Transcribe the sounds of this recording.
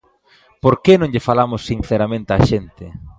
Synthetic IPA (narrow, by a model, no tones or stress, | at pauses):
poɾkenõŋʎɪfalamʊsːin̟θeɾamẽnt̪eaʃent̪ɪ